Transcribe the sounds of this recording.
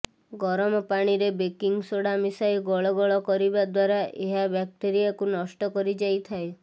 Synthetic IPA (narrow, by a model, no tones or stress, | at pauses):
ɡɔɾɔmɔpaɽ̃iɾebekiŋɡsoɽamisajɡɔɭɔɡɔɭɔkɔɾibad̪waɾaʔeɦabjak̚ʈ̪eɾijakunɔsʈɔkɔɾid͡ʒajt̪ʰae